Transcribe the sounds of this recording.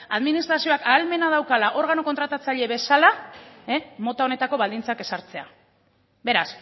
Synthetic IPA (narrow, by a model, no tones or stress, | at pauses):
aðminist̪ɾasio̞akaːlme̞nað̞awkalaʔo̞ɾɣ̞ano̞kot̪ɾat̪at͡saʎe̞βe̞salaemo̞t̪ao̞ne̞t̪ako̞βald̪int͡sake̞saɾt͡se̞a̰ | be̞ɾas